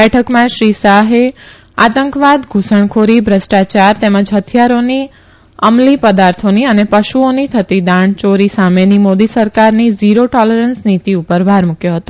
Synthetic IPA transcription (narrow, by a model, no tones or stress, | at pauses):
ɛʈʰəkmãʃɾisaɦe | at̪əŋkʋad̪ɡʱusəɳkʰoɾibʱɾəsʈat͡ʃaɾt̪eməd͡ʒɦət̪ʰijaɾoni | əmlipəd̪aɾt̪ʰoniənepəʃuonit̪ʰət̪id̪aɳt͡ʃoɾisamenimod̪isəɾkaɾniziɾoʈɔləɾənsnit̪iupəɾʋʱaɾmukjoɦət̪o